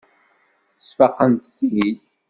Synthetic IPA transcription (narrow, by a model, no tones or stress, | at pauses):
sfɑqːənt̪θnid̪